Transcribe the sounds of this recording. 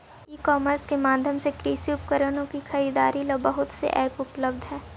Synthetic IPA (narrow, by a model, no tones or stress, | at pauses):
iːkɔːməɾskemaːd̪ʱjəmsekɾiːsiʊpkəɾənõkixʰɐɾiːd̪aːɾilɔbɐɦʊt̪sḛʔɛːpʊpləbd̪ʱɦɛː